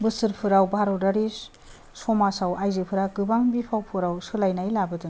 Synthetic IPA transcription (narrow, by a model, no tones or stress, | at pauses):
bɯsɯɾpʰɯɾawbʱaɾɔwdaɾis | sɔmasawajzɯpʰɯɾaɡɯbaŋbipʰawpʰɯɾawsɯlajnajlabɯdɯŋ